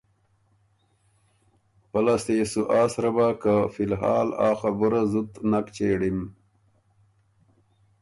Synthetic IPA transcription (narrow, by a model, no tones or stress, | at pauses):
pɐlast̪eːsuʔaːsɾɐbakafilɦa̰ːla̰ːxabuɾazut̪nakt͡ɕeːɽim